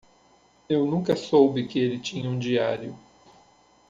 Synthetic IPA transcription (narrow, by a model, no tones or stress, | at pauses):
ewnũkɐsowbɪkɪelɪt͡ʃĩɲɐũd͡ʒiaɾjʊ